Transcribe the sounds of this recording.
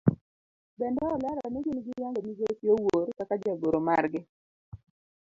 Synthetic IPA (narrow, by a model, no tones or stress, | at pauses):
bɛndɔɔlaɾanɛɡinɡɪjaŋɡɔmizotiowoɾkakad͡ʒaɡoɾomarɡɪ